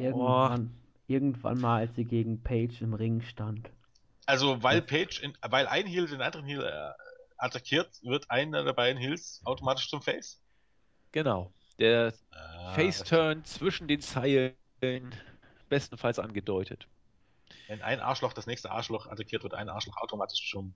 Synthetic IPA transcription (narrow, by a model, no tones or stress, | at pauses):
ʔɪɐɡŋan | ʔɪɐɡŋ̩tv̥a̰nmaːlalsz̥iːɡeːɡŋ̩pʰeɪt͡ʃɪmʁɪŋʃtant | ʔalzovaɪlpʰɛɪt͡ʃɪnvaɪlʔa̰ɪnhiːldeːnandəʁənhiːlɛ̰ʔatʰakʰiːɐtv̥ɪɐtʰʔaɪnədɛɐbaɪdn̩hɪlsʔaʊtomaːtɪʃt͡sʊmfɛɪs | ɡ̥ənaʊ | d̥eːɐfeɪstʰœɐnt͡sv̥ɪʃn̩deːnt͡saɪl | lən | b̥ɛstn̩falsʔa̰nɡədɔʏtʰət | vɛnʔa̰ɪnʔa̰ːɐʃlɔχd̥asnɛːçstəʔa̰ɐʃlɔχʔa̰takʰiɐtv̥ɪɐtʔa̰ɪnʔa̰ɐʃlɔχa̰ʊtomaːtɪ̥ʃt͡sʊm